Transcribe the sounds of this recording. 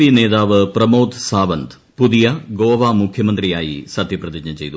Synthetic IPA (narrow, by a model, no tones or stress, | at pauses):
ineːd̪aːʋɨprɐmoːd̪saːʋɐnd̪ | pud̪ijɐɡoːʋaːmukʰjɐmɐnd̪rijaːjḭsɐt̪ːjɐprɐd̪id͡ʑɲɐt͡ɕejt̪u